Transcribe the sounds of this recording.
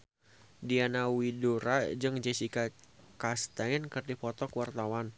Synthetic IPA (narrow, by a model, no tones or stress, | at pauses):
dianawidoɾad͡ʒɨŋd͡ʒɛsika | kast̪ankɨrdipɔt̪ɔkwart̪awan